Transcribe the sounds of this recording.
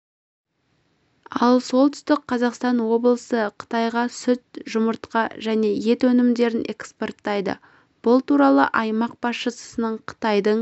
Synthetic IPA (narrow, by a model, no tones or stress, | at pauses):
ɑlˠso̞lˠt̪ʏ̥st̪ɪk̚qʰːɑzɑqst̪ɑnwo̞blˠəsəqʰə̥t̪ɑjʁɑsʏt̪̚ʒʊməɾt̪qɑʒæne̞je̞t̪wɵnɪmd̪e̞ɾɪnʔe̞̰kspo̞rt̪ːɑjd̪ə̰ | b̥ʊlˠt̪uɾɑlˠəʔɑjmɑq̚b̥ɑsʃəsə̥sənəɴqʰə̥t̪ɑjd̪əɴ